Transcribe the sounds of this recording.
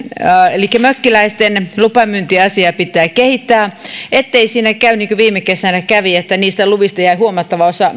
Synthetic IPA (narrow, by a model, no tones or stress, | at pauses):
elikːæmøkːilæist̪enlupɑmynt̪iɑsiɑpit̪ːˑæːkehit̪ːæːet̪ːeisiːnækæyniːŋkøʋiːmekesænækæʋiet̪ːæniːst̪æluʋist̪ɑjæihuomɑt̪ːɑʋɑosɑ